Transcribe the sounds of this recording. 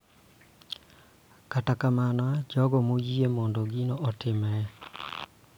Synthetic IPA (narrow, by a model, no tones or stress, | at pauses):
katakamanad͡ʒɔɡomojiemoːndoɡinoʔotɪmɛɛ